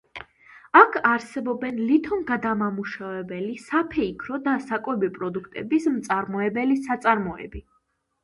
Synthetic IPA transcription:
akʰaɾsɛbɔbɛnlit̪ʰɔmɡad̪amamuʃavɛbɛlisapʰɛikʰɾɔd̪asakʼwɛbipʼɾɔd̪ukʰt̪ʼɛ̰bismt̪sʼaɾmɔɛbɛlisat̪sʼaɾmɔɛ̰bi

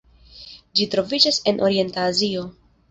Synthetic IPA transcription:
d͡ʒitɾo̞vid͡ʒase̞nʔo̞ɾie̞ntaːzio̞

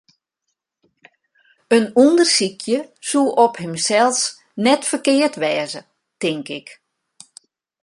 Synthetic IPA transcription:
ənundərsikʰjəsuʔɔphɪmsɛlˠs | nɛtfərkɪərtʋɛːzə | tɪŋkɪk

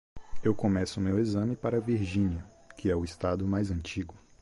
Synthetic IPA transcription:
ewkõmɛsʊmewezɐ̃mɪpaɾɐviɾʒĩɲiɐ | kʰɪɛʊist̪ad̪ʊmajzɐ̃nt͡ʃiɡʊ

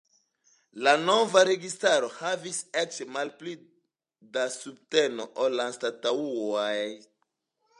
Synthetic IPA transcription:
lano̞vaɾe̞ɡistaɾo̞haviset͡ʃmalpli | dasub̚te̞no̞ʔolanstatauajj

